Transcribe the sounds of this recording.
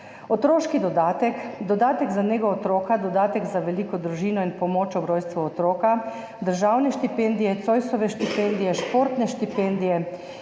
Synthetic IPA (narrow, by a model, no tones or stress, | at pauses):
ot̪ɾoːʃkid̪ɔd̪aːt̪ɛkd̪ɔd̪aːt̪ɛɡzaneːɡɔɔt̪ɾoːkad̪ɔd̪aːt̪ɛɡzaʋɛliːkɔd̪ɾuʒiːnɔinpɔmoːt͡ʃɔbɾoːjst̪ʋuɔt̪ɾoːka | d̪əɾʒawnɛʃt̪ipend̪ijɛt̪soːjsɔʋɛʃt̪ipend̪ijɛʃpoːɾt̪nɛʃt̪ipeːnd̪ijɛ